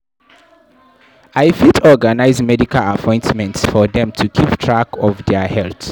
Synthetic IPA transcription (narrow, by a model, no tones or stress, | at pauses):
aɪfitɔɡanaɪzmɛdikalapʰɔ̃ɪ̃ntmɛ̃ntsfɔðɛ̃mtʰukʰiptʰɹakɔvdɛhɛlθ